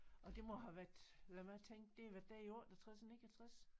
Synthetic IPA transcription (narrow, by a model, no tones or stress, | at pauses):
ɒ̽d̥e̝mɒ̽ɦæʋæɐd̥læmæt͡sʰeŋ̰ɡ̥̚d̥e̝æʋæɐd̥æɐiɔːd̥t͡sʰʁasnḛ̥ːæt͡sʰʁas